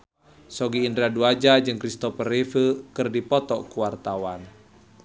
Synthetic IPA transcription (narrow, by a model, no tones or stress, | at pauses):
sɔɡiːndɾaduad͡ʒad͡ʒɨŋkɾist̪ɔpərefəkɨrdipɔt̪ɔkuwart̪awan